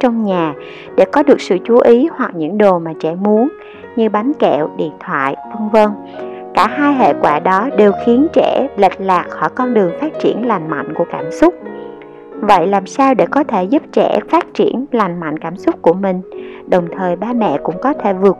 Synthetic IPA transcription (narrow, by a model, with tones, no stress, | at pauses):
t͡ɕɔ˧wŋ͡mɲaː˨˩ | ɗe˧˩kɔ˨˦ɗɨ˨˩ək̚sɨ̰˧˨t͡ɕu˨˦ʔi˨˦hwa˨˩k̚ɲɨ̰˧˥ŋɗo˨˩maː˨˩t͡ɕɛ̰˧˩mu˨˦ən | ɲɨ˧ɓaː˨˦nkɛ̰˧˨wɗḭ˧˨ənt̪ʰwa̰ː˧˨jvə˧nvə˧n | kaː˧˩haː˧jɦḛ˧˨kwaː˧˩ɗɔ˨˦ɗe˨˩wxi˨˦ənt͡ɕɛ̰˧˩lə̰˨˩k̟̚laː˨˩k̚xɔ˧˩jkɔ˧nɗɨ˨˩əŋfaː˦˥t̚t͡ɕi˧˩ənla˨˩jŋ̟ma̰˧˨jŋ̟ku˧˩əkaː˧˩msʊ˦˥k͡p̚ | və̰˧˨jlaː˨˩msaː˧wɗe˧˩kɔ˨˦t̪ʰe˧˩zu˦˥p̚t͡ɕɛ̰˧˩faː˦˥t̚t͡ɕi˧˩ənla˨˩jŋ̟ma̰˧˨jŋkaː˧˩msʊ˦˥k͡p̚ku˧˩əmï˨˩ŋ̟ | ɗə˨˩wŋ͡mt̪ʰəː˨˩jɓaː˧mɛ̰˧˨kʊ̰˧˥ŋ͡mkɔ˨˦t̪ʰe˧˩vɨ˨˩ək̚